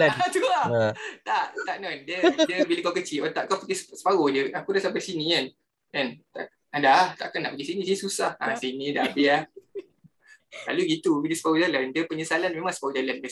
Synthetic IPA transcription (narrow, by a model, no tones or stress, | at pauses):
at̪uat̪aʔt̪aʔnɔndədiəbiləkawkət͡ʃiɔt̪aʔkawpəkissə̥paɣohdəakudasampasinĩkan | ant̪a̰ʔ | adaht̪a̰ʔkana̰ʔpəɡisinĩsinĩsusahasinĩdabia | la̰luɡit̪ubidiəsəpaɣod͡ʒalandəpəɲəsalanmẽmãŋsə̥paɣod͡ʒalandi